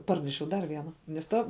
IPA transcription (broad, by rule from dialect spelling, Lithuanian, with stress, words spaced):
ˈpɐrʲnʲɛʃʲɛʊ ˈdɐr ˈʋʲiɛnɐ nʲɛs ˈtɐ